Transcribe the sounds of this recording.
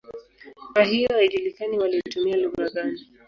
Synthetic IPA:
kwaɦijɔhaiʄulikaniwalitumialuɣaɠani

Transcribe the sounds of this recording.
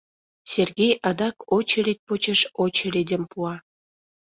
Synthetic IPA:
serɣejɑd̪ɑkot͡ɕəlit̪̚pot͡ɕəʃot͡ɕəlid̪ʲəmpuɑ

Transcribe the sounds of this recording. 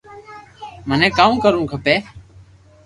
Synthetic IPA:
mənẽːkaːukəɾũːkʰəpeː

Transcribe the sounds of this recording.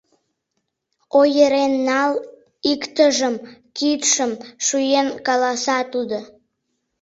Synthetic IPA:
ojəɾenːɑl | ikt̪əʒəmkit̪ʃəmʃujenkɑlɑsɑt̪ud̪o

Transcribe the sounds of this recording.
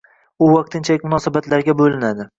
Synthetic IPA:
ʊwɑq̚t̪ʰɪnt͡ʃʰalɪk̚ʲmʊnɒsabat̪laɾɡʲabolɪnad̪ɪ

